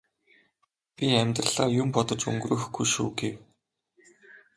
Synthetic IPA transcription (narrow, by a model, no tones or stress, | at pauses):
pʲiæmʲt̪rə̆ɮaːjʊmpɔt̪ɞ̆t͡ɕɵ̰ŋɡrɘ̆xɡujʃuːɡew